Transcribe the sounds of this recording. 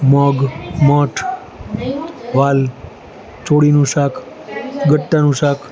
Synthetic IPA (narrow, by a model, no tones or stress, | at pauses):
mɔɡmɔʈʰ | ʋaːl | t͡ʃoɽinũsakʰ | ɡəʈːanũʃakʰ